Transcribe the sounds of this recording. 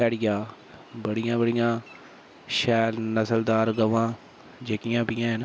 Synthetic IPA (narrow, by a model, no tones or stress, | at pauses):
ɛːɽɪjãː | bəɽɪjãːbəɽɪjãː | ʃɛːnəsəld̪aːɾɡəʋãː | d͡ʒekɪjãːpɪjãːɦn